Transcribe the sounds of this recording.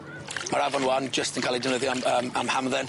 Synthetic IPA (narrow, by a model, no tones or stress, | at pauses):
maɹavɔnwand͡ʒəstə̃nkʰalˠidɪnwɪðjɔaməmamhamðɛn